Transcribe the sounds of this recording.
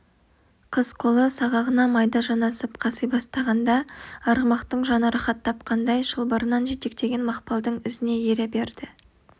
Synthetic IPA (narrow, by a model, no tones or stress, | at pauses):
qʰəzqʰo̞lˠəsɑʁɑʁənɑmɑjd̪ɑʒɑnɑsəpqʰɑsəjbɑst̪ɑʁɑnd̪ɑɑɾʁəmɑqt̪əɴʒɑnəɾɑχɑt̪ʰːɑp̚qɑnd̪ɑjʃəlˠbəɾənɑnʒe̞t̪e̞k̚t̪e̞ɡʲe̞nmɑqpɑlˠd̪əɴɪzɪne̞jeɾebe̞ɾd̪ɪ